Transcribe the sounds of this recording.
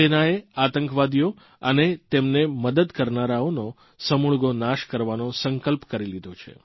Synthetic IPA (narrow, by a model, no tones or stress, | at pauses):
enaeat̪əŋkʋad̪ijo | ənet̪emneməd̪əd̪kəɾnaɾaono | səmuɭɡonaʃkəɾʋanosəŋkəlpkəɾilid̪ʱot͡ʃʰḛ